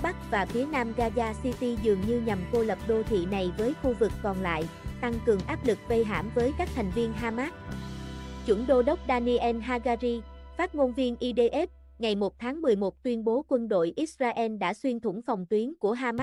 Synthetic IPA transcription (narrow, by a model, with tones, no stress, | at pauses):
ɓa˦˥k̚vaː˨˩fi˨˦ənaː˧mɣaː˧zaː˧si˧t̪i˧zɨ˨˩əŋɲɨ˧ɲa˨˩mko˧lə˨˩p̚ɗo˧t̪ʰḭ˧˨na˨˩jvəː˨˦jxu˧vɨ˨˩kːɔ˨˩nla̰ː˧˨jt̪a˧ŋkɨ˨˩əŋʔaː˦˥p̚lɨ˨˩k̚və˧jɦa̰ː˧˥˩mvəː˨˦jkaː˦˥k̚t̪ʰa˨˩jŋ̟vi˧ənɦaː˧maː˦˥t̚ | t͡ɕwə˧˩ənɗo˧ɗə˦˥wk͡p̚ɗaː˧ni˧ʔɛ˧nɦaː˧ɣaː˧zi˧faː˦˥t̚ŋo˧nvi˧ənʔi˧ɗe˧ʔɛ˦˥p̚ | ŋa˨˩jmo˨˩t̚t̪ʰaː˨˦ŋmɨ˨˩əjmo˨˩t̚t̪wi˧ənɓo˨˦kwə˧nɗo̰˧˨jʔi˦˥t̚zaː˧ʔɛː˧nɗa̰ː˧˥swi˧ənt̪ʰʊ̰˧˩ŋ͡mfɔ˨˩wŋ͡mt̪wi˨˦nku˧˩əɦaː˧ma˦˥